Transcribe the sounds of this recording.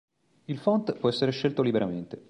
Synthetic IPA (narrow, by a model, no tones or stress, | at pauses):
ilfɔnt̪pwɔɛsːeɾeʃːelt̪olibeɾament̪e